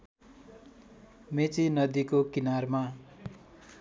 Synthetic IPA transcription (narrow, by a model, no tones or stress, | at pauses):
met͡sinʌd̪ikokinarma